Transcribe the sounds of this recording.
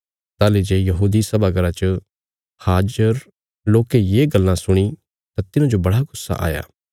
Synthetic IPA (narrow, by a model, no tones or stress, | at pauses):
t̪aːled͡ʒeːjɐɦuːd̪isɐbaɡɐɾat͡ʃə | haːd͡ʒəɾ | loːkejeːɡɐlːãsʊɽ̃i | t̪at̪ɪnãd͡ʒobɐɽaɡʊsːa̰ʔa̰ːja̰ː